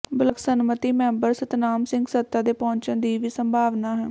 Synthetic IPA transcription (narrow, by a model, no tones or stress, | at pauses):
bələksənmət̪iːmɛ̃ːmbəɾsət̪naːmsɪ̃ŋɡsət̪ːaːd̪eːpɔ̃ːɲt͡ʃə̃nd̪iːʋiːsəmbʱaːʋnaːɦɛː